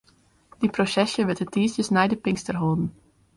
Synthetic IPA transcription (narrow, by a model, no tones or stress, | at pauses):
d̥iprosɛsjəʋɛtətiːsjəsnajdəpɪŋstərɦolˠdən̩